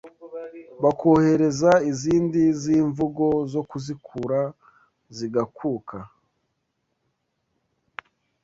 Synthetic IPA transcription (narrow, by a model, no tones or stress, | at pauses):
βakʰo̞he̞ɾe̞zaiziːndiziːɱvuɡo̞zo̞kuzikʰuɾa | ziɡakʰuːkʰa